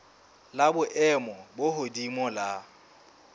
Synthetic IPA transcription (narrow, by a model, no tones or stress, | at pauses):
labʊʔɛmɔboɦodimɔla